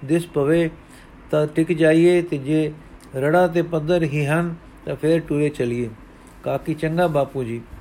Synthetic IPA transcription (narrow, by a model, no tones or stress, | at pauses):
d̪ɪspəʋeː | t̪ãːʈɪkd͡ʒaːieːt̪eːd͡ʒeːɾəɽaːt̪̬eːpəd̪əɾɦiːɦən | t̪ãːpʰɪɾʈʊɾeːt͡ʃəlɪeː | kaːkɪt͡ʃəŋɡaːbaːpuːd͡ʒiː